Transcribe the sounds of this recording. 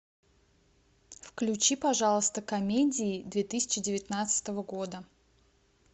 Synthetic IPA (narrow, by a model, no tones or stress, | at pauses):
fklʲʉt͡ɕipɐʐalˠəst̪əkɐmʲedʲɪːd̪vʲet̪ɨsʲɪ̥t͡ɕɪdʲɪvʲɪt̪nat̪sɨ̥t̪əvəɡo̞d̪ə